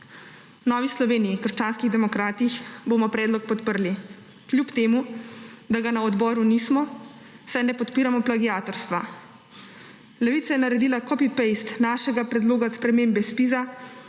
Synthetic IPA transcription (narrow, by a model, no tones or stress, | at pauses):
nɔːʋislɔʋeːniikəɾʃt͡ʃaːnskiɣd̪ɛmɔkɾaːt̪ixboːmɔpɾɛːd̪lɔk̚pɔt̪pəɾli | klʲjupt̪eːmud̪aɡanaɔd̪bɔːɾunismɔ | sajnɛpɔt̪piːɾamɔplaɡijaːt̪ɔɾst̪ʋa | lɛʋiːt̪sajɛnaɾɛd̪iːlakɔpipejst̪naːʃɛɡapɾɛd̪loːɡaspɾɛmeːmbɛspiza